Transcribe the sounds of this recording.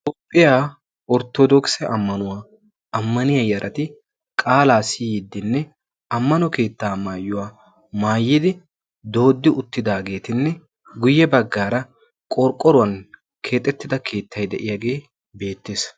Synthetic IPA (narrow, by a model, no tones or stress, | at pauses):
t̪ʼɔpʼːɪjaː | ɔɾt̪ɔd̪ɔksɛʔɐmːɐnʊwaː | ɐmːɐnɪjɐjɐɾʔɐt̪ɪ | kʼaːlaːsijɪd̪ːɪnːɛ | ɐmːɐnɔke̞ːt̪ːaːmaːjːʊwaː | maːjːɪd̪ɪ | d̪o̞ːd̪ːɪʔʊt̪ːɪd̪aːɡe̞ːt̪ɪnːɛ | ɡʊjːɛbɐɡːaːɾɐ | kʼɔɾkʼːɔɾʊwɐn | kʰe̞ːt̪ʼːɛt̪ːɪd̪ɐkʰe̞ːt̪ːɐjd̪ɛʔɪjaːɡe̞ː | be̞ːt̪ːeːs